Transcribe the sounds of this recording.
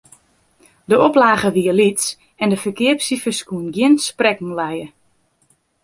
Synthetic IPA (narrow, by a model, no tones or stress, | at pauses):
dəoplaːɣəʋiəlits | ɛndəfəkɪəpsifəskuənɡjɪnsprɛkŋ̩lɛjə